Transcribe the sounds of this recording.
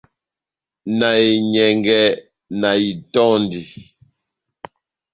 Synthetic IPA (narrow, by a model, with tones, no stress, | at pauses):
na˨i˨ɲɛ˨ŋɡɛ˦ | na˨i˨tɔ˦ndi˨